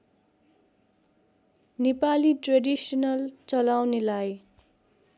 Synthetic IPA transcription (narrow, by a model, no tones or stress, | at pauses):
nepaliʈreɖisʌnʌlt͡sʌlawnelaj